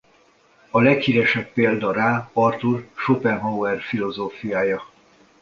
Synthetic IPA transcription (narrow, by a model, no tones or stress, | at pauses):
ɒlɛkhiɾɛʃɛpːeːld̪ɒɾaːɒrt̪urʃopɛnɦowɛrfilo̞zoːfijaːjɒ